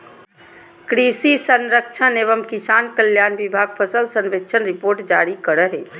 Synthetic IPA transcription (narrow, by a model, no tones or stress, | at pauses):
kɾisisənɾək̚t͡ʃʰəneβəmkisankəljanbibʱaɡ̚pʰəsəlsənʋekt͡ʃʰənɾipoɾʈd͡ʒaɾikəɾəɦe